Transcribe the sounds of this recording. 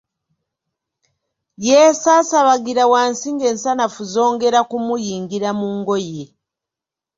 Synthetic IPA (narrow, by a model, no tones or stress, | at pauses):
jesaːsaβaɡiɾawaːnsiːŋɡe̞ːnsanafuzo̞ːŋɡe̞ɾakumujiːŋɡiɾamuːŋɡo̞je